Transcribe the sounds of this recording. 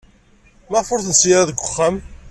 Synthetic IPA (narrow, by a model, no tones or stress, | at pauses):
mæfʊɾθnsijɾaðəɡʷːʊχːæm